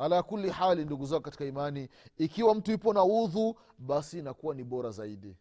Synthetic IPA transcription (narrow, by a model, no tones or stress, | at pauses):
halaakuliħalinduɡuzakɔkati̥kaimaniːkiwam̩tujipɔnauðu | ɓasiːnakuwaniɓɔɾazaiɗi